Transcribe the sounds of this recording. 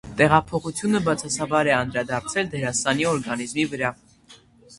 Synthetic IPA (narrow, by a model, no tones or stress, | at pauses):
t̪ɛʁɑpʰɔχut͡sʰjunəbɑt͡sʰɑsɑbɑɾɛɑnd̪ɾɑd̪ɑɾt͡sʰɛld̪ɛɾɑst̪ɑniɔɾɡɑnizmivəɾɑ